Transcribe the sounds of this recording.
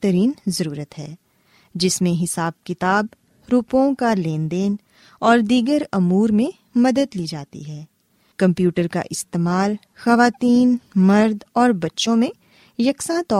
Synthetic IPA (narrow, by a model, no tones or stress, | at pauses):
t̪əɾiːnzɐɾuːɾət̪ɦɛː | d͡ʒɪsmẽɦɪsaːb̚kɪt̪aːb̚ | ɾuːpõkaleːnd̪eːn | ɔːɾd̪iːɡəɾɐmuːɾmẽ | mɐd̪əd̪liːd͡ʒaːt̪ḭɦɛː | kɐ̃mpjuːʈəɾka̰ʔɪst̪eːmaːl | xɐʋaːt̪iːnmɐɾd̪ɔːɾbɐtːʃõmẽ | jɐksãt̪ɔː